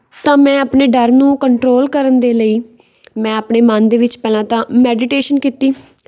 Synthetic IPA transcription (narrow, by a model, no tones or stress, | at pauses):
t̪ãːmɛ̃ːapɳeːɖəɾnũːkəɳʈɾoːlkəɾənd̪eːləiː | mɛ̃ːapɳeːmãnd̪eːʋɪt͡ʃpɛːlãːt̪ãːmɛːɖɪʈeːʃənkiːt̪iː